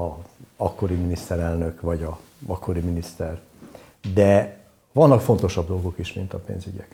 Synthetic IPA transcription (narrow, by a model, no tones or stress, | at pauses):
ɒɒkːo̞ɾiminist̪ɛɾɛlnø̞kʋɒɟɒ | ɒkʰːo̞ɾiminist̪ɛr | d̪ɛ | vɒnːɒkfo̞nt̪o̞ʃɒbd̪o̞lɡo̞kiʃmint̪ɒpḛːnzyɟɛk